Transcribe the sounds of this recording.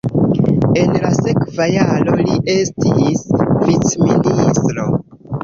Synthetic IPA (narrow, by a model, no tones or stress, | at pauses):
e̞nlase̞kvajalo̞liʔe̞stisvit͡sministɾo̞